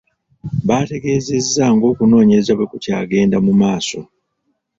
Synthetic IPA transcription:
βate̞ɡe̞ːze̞zːaŋɡo̞ːkuno̞ːɲezaβwe̞kucaːɡe̞ːndamumaːso̞

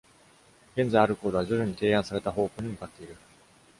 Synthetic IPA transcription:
ɡẽ̞nd͡zajaɾɯ̟ko̞ːd̪o̞βaʑoɾɯ̟ɲ̟it̪e̞ːãɰ̃saɾe̞t̪aɦo̞ːkoːɲ̟imɯ̟kat̪ːe̞iɾɯ̟

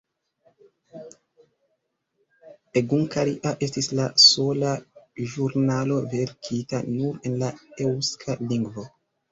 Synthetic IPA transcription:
eɡuŋkaɾiʔaʔe̞stislaso̞laʒuɾnalo̞ve̞ɾkʰitanuɾe̞nlaewskʰaliŋɡvo̞

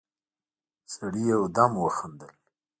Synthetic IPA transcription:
saɽijawd̪amwəxand̪əl

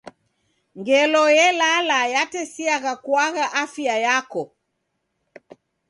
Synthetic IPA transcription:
ŋɡɛlɔjɛlalajatɛsiaɣakwaɣaʔafjajakɔ

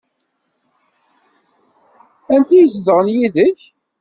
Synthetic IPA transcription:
ænt̪ijəzðəʁənjiðəç

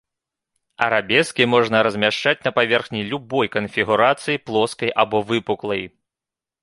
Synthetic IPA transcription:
ɐɾabʲɛskʲimɔʐnɐɾɐzʲmʲaʂt͡ʂat͡sʲnɐpavʲɛrxnʲilʲubɔjkɐnfʲiɣuɾat̪sɨjiplˠɔskɐjʔabɔvɨpuklˠɐj

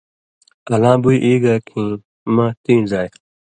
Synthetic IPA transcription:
ɐlãːbuiʔiːɡaːkʰi | mãːt̪ĩːzaːj

